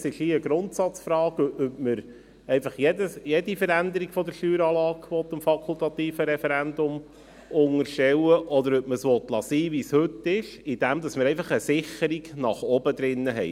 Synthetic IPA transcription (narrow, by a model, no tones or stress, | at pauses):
sɪʃiəɡɾʊnt̪sɑt͡sfɾɑːɡœpœpməɾ | ɛɪfɑχjɛdəsjɛd̪ifəɾænd̪əɾiɡfɔd̪əɾʃtyːɾɑːlɑːɡʋɔt̪ːəmfɑkʰult̪ɑt̪iːfəɾɛfɛɾænd̪ʊm | ʊŋəɾʃtɛwəʔɔd̪əɾœp̚məsʋɔt̪lɑsiːʋishɵtːɪʃɪd̪̥æmd̪ɑsməɾɛɪfɑχəsɪχəɾiɡnɑχɔbəd̪ɾɪnːəɦɛɪ